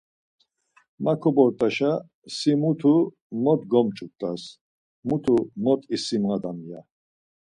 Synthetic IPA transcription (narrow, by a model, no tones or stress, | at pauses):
makʰɔbɔɾt̪ʼaʃa | simut̪ʰu | mɔt̪ɡɔmt͡ʃʼut̪ʼas | mut̪ʰumɔt̪ʼisimʁad̪amija